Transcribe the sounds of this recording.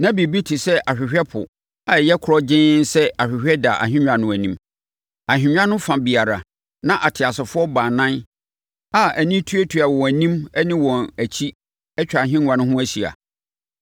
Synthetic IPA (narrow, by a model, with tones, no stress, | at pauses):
nã˦bi˨bi˦tʰi˨sɛ˦ʔa˨ɕᶣɪ˨ɕᶣɛ˦pʰʊ˨ | a˨ɛ˨jɛ˦kʰʊ˨˦ɾɔ˦d͡ʑɪ̃˦nsɛ˦a˨ɕᶣɪ˨ɕᶣɛ˦da̰˨ʔa̰˨ɦɪ̃˦ɲᶣ˨ã˨nʊ̃˦˨æ˨nĩ˦m | a˨ɦᶣɪ̃˨ɲᶣ˦ã˦nʊ̃˦fã˨bi˨a˨ɾa˨ | nã˦ʔa˨tʰɪ˨a˨sɪ˨fʊ˦ɔ˦baː˨nã˦n | a˨æ˨nĩ˦tʰu˦æ˦tʰu˨˦a˨wɔ˨æ˨nĩ˦mæ˦nĩ˦wɔ̃˨næ˨t͡ɕʰi˦ | ɛ˦t͡ɕᶣa˨ɦɪ̃˦n˦wã˨nʊ̃˦ɦʊ̃˦æ˦si˨a̰˨